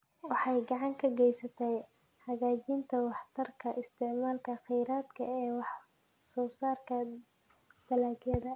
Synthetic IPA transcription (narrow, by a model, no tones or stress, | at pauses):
wɑħɑjɡɑʕɑŋkʰɐɡɛjsɐt̪ʰɛj | hɐɣaːt͡ʃint̪ʰɐwɑħt̪ʰɐrkʰɐʔɪst̪ʰɪʕmaːlkʰɐqɪjɾaːd̪kʰɐ̰ɛːwɑħ | sɔːsaːrkʰɐ | d̪̥ɐlaːɡjɐðɐ